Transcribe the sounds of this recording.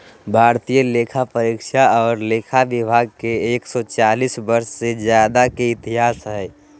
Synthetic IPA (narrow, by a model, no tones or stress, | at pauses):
bʱaːɾt̪ijəleːkʰapəɾikʃaɔːɾleːkʰaʋɪbʱaːɡ̚keːksɔt͡ʃaːlisbəɾssed͡ʒjaːd̪akeɪt̪iɦaːsɦɛː